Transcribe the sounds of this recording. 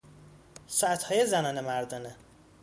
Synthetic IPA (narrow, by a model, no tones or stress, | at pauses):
sɒːæt̪hɒːjezænɒːnemæɾd̪ɒːne